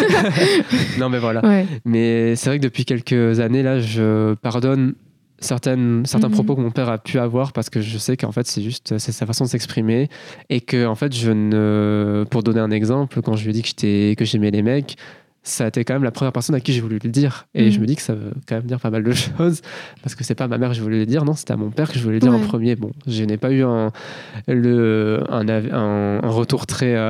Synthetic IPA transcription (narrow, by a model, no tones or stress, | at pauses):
nɔ̃mɛvwalawɛmɛsɛvʁɛkəd̪əpɥikʲɛlkəzanelaʒəpaʁd̪ɔn | sɛʁt̪ɛnsɛʁt̪ɛ̃pχɔpokəmɔ̃pɛʁapʰyavwaʁpaʁsə̥kəʒəsɛkəɑ̰̃fɛt̪sɛʒyst̪sɛsafasɔ̃d̪əsɛkspχimeekəɑ̃fɛt̪ʒənəpuʁd̪ɔneɛ̃nɛɡzɑ̃plkɑ̃ʒəlɥɛd̪ikəʒ̥e̥t̪ɛkəʒemɛlemɛk | saet̪ɛkɑ̃mɛmlapχəmjɛʁpɛʁsɔnakʲiʒevulyləd̪iʁeʒəməd̪ikə̥savə̰kɑ̃mɛmd̪iʁpamald̪əʃozpaʁsə̥kəsɛpamamɛʁkʒəvulɛləd̪iʁnɔ̃se̥t̪ɛa̰mɔ̃pɛʁkəʒəvulɛd̪iʁɑ̃pχəmjebɔ̰̃ʒenɛpayɛ̃ | ləɛ̰̃naɛ̃ɛ̰̃ʁət̪uʁt̪χɛø